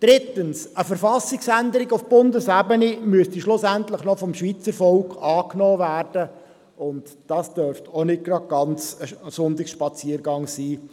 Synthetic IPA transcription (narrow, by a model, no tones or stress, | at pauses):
d̥ɾɪt̪əns | əfəɾfɑsɪksændəɾɪɡʊfb̥ʊndəsæbənimyəstiʃlʊsænt̪ləχnɔfɔmʃʋiːt͡səɾfɔlkɑːknɔːvæːrd̥ə | ʊntd̥ɑːsd̥øɾftʰonɪt̚ɡ̥ɾɑd̚ɡ̥ɑnt͡səsʊntɪksʃpɑt͡siːəɾɡɑŋsiː